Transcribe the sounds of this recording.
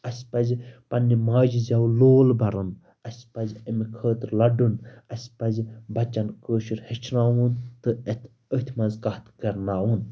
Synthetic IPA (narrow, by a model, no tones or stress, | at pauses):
ɐsʲpɐzpɐnːimaːd͡ʒzʲɐwloːlbɐɾɨn | ɐsʲpɐzʲɐmikʰəːt̪lɐɖunɐsʲpɐzʲbɐt͡ʃːɐnkəːʃiɾhet͡ʃʰnaːwunt̪ɨet̪ʰ | ət̪ʰʲmɐnzkɐht̪ɡɐɾnaːun